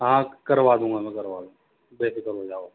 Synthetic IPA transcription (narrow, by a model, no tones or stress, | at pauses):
ɦãkɐɾʋaːd̪ũːŋɡamɛ̃kɐɾʋaːd̪ũ | beːsɪkəlɦod͡ʒaːo